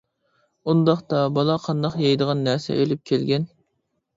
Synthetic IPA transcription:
und̪ɑχt̪ɑbɑlˠɑqʰɑnd̪ɑqjɑjd̪əʁɑnːæɾsɛ̰ʔølyp̚kʲʰelɡʲɛn

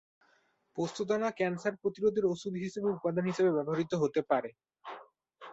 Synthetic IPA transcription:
post̪ʰod̪anakɛnsaɾpɾot̪iɾod̪ʱeɾoʃud̪ʱɦiʃebeut̪̚pad̪ʱanɦiʃebebɛboɦaɾit̪oɦot̪epaɾe

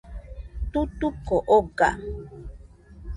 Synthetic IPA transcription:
t̪ut̪ukoʔoɡa̰

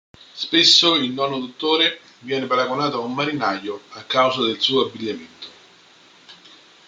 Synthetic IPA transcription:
spesːoilnɔːnod̪ot̪ːoːɾe | vjɛːnepaɾaɡonaːt̪oaumːaɾinajoakːawzad̪elsuːoabːiʎːament̪o̥

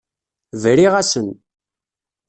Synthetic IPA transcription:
vɾiʁæsən

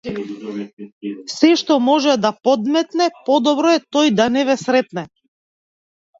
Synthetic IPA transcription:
sɛʃt̪ɔmɔʒɛd̪apɔd̪mɛt̪nɛpɔd̪ɔbɾɔɛt̪ɔjd̪anɛvɛsɾɛt̪nɛ

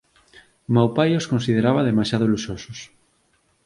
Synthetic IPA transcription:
mawpajoskonsið̞eɾaβaðemaʃjaðoluʃosos

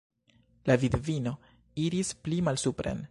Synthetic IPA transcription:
lavid̪vino̞ | iɾisplimalsupɾḛn

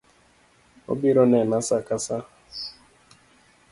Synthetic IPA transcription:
o̰biɾɔnɛnasakasa

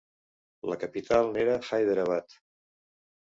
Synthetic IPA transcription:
ləkəpit̪ʰalˠneɾəxajðəɾəβ̞at̪

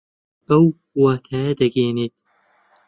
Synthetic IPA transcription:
ɐw | waːt̪ʰaːjɐd̪ɐɡeːneːt̪

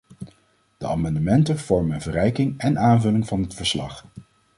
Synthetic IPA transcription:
d̥əa̰ːmɑndəmɛntəv̥ɔɹmənvərɛjkɪŋɛnʔaːnvɵlɪŋvɑnɦətfəɹslɑ̰χ

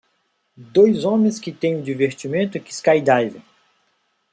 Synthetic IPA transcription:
d̪ojzõmẽskɪt̪ẽj̃ũd͡ʒ̪iveɾt͡ʃimẽnt̪ʊkɪskajd̪ajvẽ

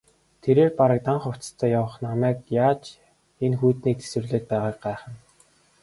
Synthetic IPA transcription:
t̪ʰeɾeːrpaɾə̆k̚t̪aɴχʊw̥t͡st̪ʰœːjawə̆χnamæːkjaːt͡ɕ | enxuːt̪niːk̚t̪ʰe̥sɘ̆rɮeːt̪̚pæːʁaːk̚ɢæːχə̆n

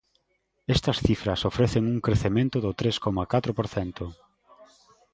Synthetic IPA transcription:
ɛst̪ɐsθifɾɐsofɾeθeŋuŋkɾeθemẽnt̪ʊðʊt̪ɾeskɔmakat̪ɾopoɾθɛnt̪ʊ

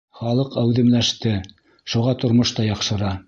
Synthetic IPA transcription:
χɑlˠɤqæwðɘ̆mlæʃt̪ɘ | ʃuʁɑt̪ŏɾmoʃt̪ɑjɑqʃɤ̆ɾɑ

